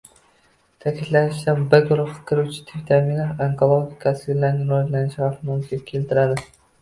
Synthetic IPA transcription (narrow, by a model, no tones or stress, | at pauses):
t̪ʰækʲit̪lænɪʃd̪ɛnbɪɾɡʊɾʊχɑ̥kʲʰɪɾut͡ʃʰi̥t̪ʰɪpt̪ʰæmilaaŋkʰolˠoɡʲikʰɑsɪɡʲlæɾnɪɾod͡ʒlænɪʃhɑfɨmumkʲʰinkʲʰelt̪ɪɾæd̪ɪ